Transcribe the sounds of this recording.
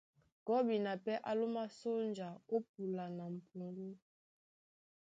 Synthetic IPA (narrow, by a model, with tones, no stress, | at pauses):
ɡ̥ɔ˦bi˨na˨pɛ˦ʔa˦lo˦ma˦so˦nd͡ʒa˨o˦p̚u˨la˨na˨m̩˨pu˨ŋɡu˦